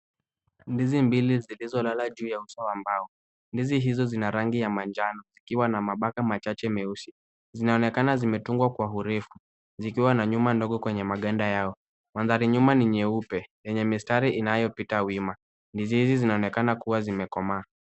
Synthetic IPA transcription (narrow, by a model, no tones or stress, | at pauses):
ndizimbilizilizɔlalaʄuːjausawambaɔ | ndiziɦizɔzinaɾaŋɡijamand͡ʒanɔzikiwanamaɓakamat͡ʃat͡ʃɛmɛusi | zinaɔnɛkanazimɛtuŋɡwakwaɦuɾɛfu | zikiwanaɲumandɔɠɔkwɛɲɛmaɠandajaɔ | manðaɾiɲumaniɲɛupɛjɛɲɛmistaɾiʔinajɔpitawima | ndizihizizinaɔnɛkanakuwazimɛkɔmaː